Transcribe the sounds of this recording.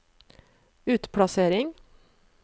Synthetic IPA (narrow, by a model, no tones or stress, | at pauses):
ʉːt̪pʰɽɑseːɾɪŋ